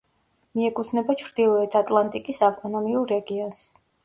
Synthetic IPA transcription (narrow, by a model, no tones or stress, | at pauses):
miɛkʼut̪ʰnɛbat͡ʃʰɾd̪ilˠɔɛt̪ʰat̪ʼlˠant̪ʼikʼisaft̪ʼɔnɔmiuɾːɛɡiɔns